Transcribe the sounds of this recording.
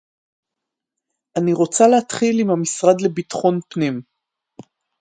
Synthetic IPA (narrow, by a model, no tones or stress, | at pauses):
ʔaniʁo̞t͡salehat̪χilimhamisʁad̪le̞bitχo̞npnim